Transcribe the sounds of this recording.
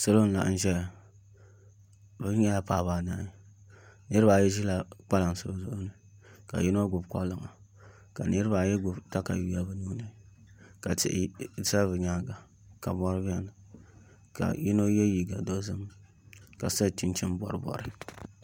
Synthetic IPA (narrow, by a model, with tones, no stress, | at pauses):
so˦lo˦n̩˦la̰˨ʔn̩˦ʒɛ˦˨ | bɨ˦ɛ˦la˦paː˨βa˨naː˦˨ | nɨ˦ɾɨ˦ba˨jɛ˦ʒi˦la˨k͡pa˦la˨n˨so˦zʊ˦ʔʊ˦nɨ˨ | ka̰˨ji˦no˦ɡʊ˨bkɔ̰˦lɨ˨ŋa̰˨ | ka̰˨nɨ˦ɾɨ˦ba˨jɛ˦ɡʊ˨bta˦ka̰˨ju˨ja˦bɨ˦nuː˦nɨ˦˨ | ka˨tɪ̰˨ʔsa˦bɨ˨ɲaː˦ɡa˨ | ka˨bɔ˦ɾɨ˦bi˦ɛ˦nɨ˨ | ka̰˨ji˦no˦jɛ˦ji˨ɡa˨do˦zɨ˦m | ka˨sa˦˨t͡ʃi˦nt͡ʃɪ˦mbɔ̰˨ɾɨ˦bɔ̰˨ɾɨ˦